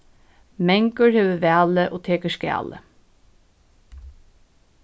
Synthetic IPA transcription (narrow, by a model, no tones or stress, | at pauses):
mɛŋkəɹheːʋəʋæːləʔoːt̪ʰeːkəskæ̰ːlə̰